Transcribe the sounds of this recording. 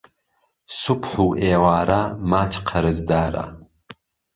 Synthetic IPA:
sʊpħuːʔeːwaːɾamaːt͡ʃʰqʰɐɾɨzd̪aːɾa̰

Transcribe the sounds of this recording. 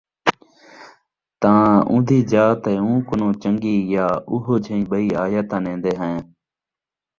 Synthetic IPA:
t̪ãːũːd̪ʱiːd͡ʒaːt̪eːũːkʊnõːt͡ʃəŋɡiːjaːʊɦoːd͡ʒʱəĩːɓəiːaːjaːt̪ãːnẽːnd̪eːɦəẽː

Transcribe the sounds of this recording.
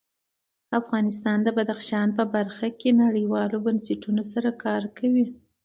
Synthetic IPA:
afɣɑnɪst̪ɑnd̪əbad̪axʃɑnpəbaɾxakenaɽəjwɑlobanseʈunos̬aɾakɑɾkawi

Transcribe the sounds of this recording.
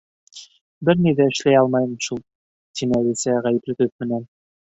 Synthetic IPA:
bɘɾniðæɘ̆ʃlæjɑlˠmɑjɤmʃulˠ | t̪ʰinɘælisæʁæjɘ̆plɘ̆ɡɘθmɘ̆næn

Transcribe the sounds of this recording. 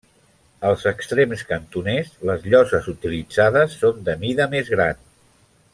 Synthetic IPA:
əlˠzəkst̪ɾemskənt̪unɛsləzʎɔzəzut̪ilid͡zaðəsːond̪əmiðəmezɣɾan

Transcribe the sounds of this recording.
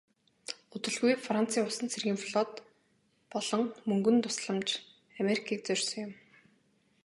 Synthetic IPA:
ɵt̪ɵ̆ɮɣujfran̥t͡sʰiːʊsə̆nt͡sʰerɣʲiːŋfɮɔt̪ | pɔɮɞ̆ŋmɵŋɡɵ̆nt̪ʊ̥sɮə̆mt͡ɕ | ameɾikʰiːk̚t͡sœrʲsɞ̆ŋjʊm

